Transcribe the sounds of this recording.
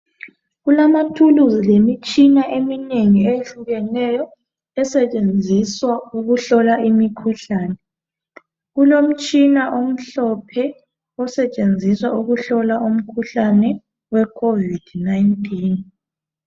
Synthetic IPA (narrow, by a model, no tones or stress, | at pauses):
ɣulamatʰuluzilemit͡ʃʼinaʔemineŋiejɬuɣɛnɛjɔ | ɛsɛt͡ʃʼend͡zʱiswauɣuɬɔlaimikʰuɬaːnɛ | ɣulom̩t͡ʃʼinaʔom̩ɬɔpʰɛ | ɔsɛt͡ʃʼend͡zʱiswauɣuɬɔlaʔum̩kʰuɬanɛ | wɛkʰovid̥najntʰʼiːn